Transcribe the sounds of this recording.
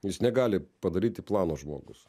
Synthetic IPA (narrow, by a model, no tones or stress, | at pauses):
jɪsnʲɛɡɑːlʲɪpɐd̪ɐɾʲiːt̪ʲɪplˠɑːnoːʒmo̰ːɡʊs